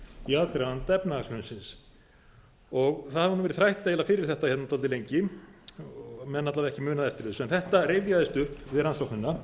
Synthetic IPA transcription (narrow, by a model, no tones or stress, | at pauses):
iaðk̪ɾaant̪ɛpnaasʏnsɪns | ɔɣθaðavanʏmvɛɾɪ̥θɾajht̪aejlafɪːɾɪɾ̥θɛht̪açɛt̪nat̪ʰalt̪ɪlejɲcɪ | mɛðnat̪lavaðɛhcɪmʏːnaðɛft̪ɪɾðɪsɛnθɛht̪arejvjaðɪst̪ʏhpvɪðɾansowknʏnːa